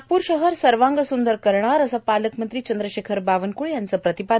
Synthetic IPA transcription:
puːɾɕəɦəɾsəɾʋaŋɡəsund̪əɾkəɾɳ̃aɾəsapaləkmənt̪ɾiːt͡ɕənd̪ɾəɕekʰəɾbaʋənkuɭjant͡səpɾət̪ipa

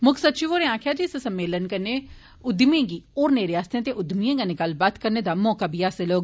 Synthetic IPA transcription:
mʊkʰsətːʃiʋoːɾẽːãːkʰjaːd͡ʒiːssəmːeːlənkəɾneː | ʊd̪miẽːɡiːoːɾneːɾeaːst̪ẽt̪eːʔʊd̪miẽːɡanekəlbaːt̪kəɾneːd̪aːmɔːkaːbʱiːaːseloːɡ

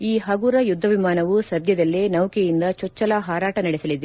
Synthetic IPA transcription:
iːɦɐɡuːɾɐjud̪ʱːɐʋimaːnɐʋusɐd̪ʱjɐd̪ɐlːenɐwkejind̪ɐt͡ʃɔt͡ʃːɐlaɦaːɾaːʈɐnɐɽisɐlid̪e

